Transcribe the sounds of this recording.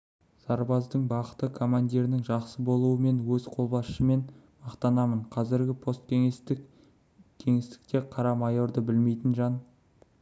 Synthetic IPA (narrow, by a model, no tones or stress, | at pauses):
sɑɾbɑzd̪əɴbɑqət̪əkʰo̞mand̪ʲiɾɪnɪŋʒɑqsəbo̞lˠuəme̞nwɵz̥qʰo̞lˠbɑsʃəme̞n | mɑqt̪ɑnɑməɴqʰɑzɪɾɡʲɪpʰo̞st̪k̪ʲ | kʲʰe̞ŋe̞st̪ɪ̥k̚t̪e̞qʰɑɾɑmɑjo̞ɾd̪əbɪlme̞jt̪ɪnʒɑn